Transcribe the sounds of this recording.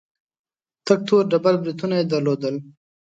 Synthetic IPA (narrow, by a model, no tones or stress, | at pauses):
t̪ɐk̚t̪ʰoːɾɖɐbɐɾbɾit̪unaed̪ɐɾloːd̪əl